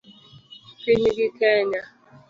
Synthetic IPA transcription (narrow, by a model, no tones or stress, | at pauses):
keɲiɡikeɲa